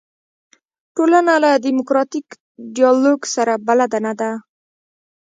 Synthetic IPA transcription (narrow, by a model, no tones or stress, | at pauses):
ʈolanalad̪imʊkɾɑt̪ik | ɖijɑloɡsaɾabalad̪anad̪a